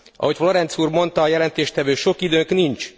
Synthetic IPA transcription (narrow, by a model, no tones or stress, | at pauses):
ʔɒ̰ɦo̞cflo̞ɾɛnt̪suːrmo̞nt̪ɒːjɛlɛnt̪eːʃt̪ɛvøːʃo̞kid̪øːŋknint͡ʃ